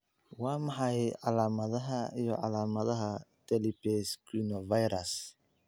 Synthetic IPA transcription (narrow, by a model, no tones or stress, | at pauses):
waːmaħajʕalaːmaðɐɦɐijɔ̰ʕa̰laːmɐðɐɦat̪ʰɛlipɛskunɔvajɾas